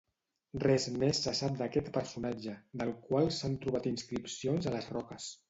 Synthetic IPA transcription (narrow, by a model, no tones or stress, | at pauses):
rɛzmesːəsap̚d̪əkɛt̪pəɾsunad͡ʒəd̪əlˠkwalˠsant̪ɾuβat̪inskɾipsionzələzrɔkəs